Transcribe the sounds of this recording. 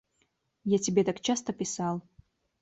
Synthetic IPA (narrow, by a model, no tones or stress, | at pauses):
jatʲibʲet̪akt͡ʃast̪ɐpʲisalˠ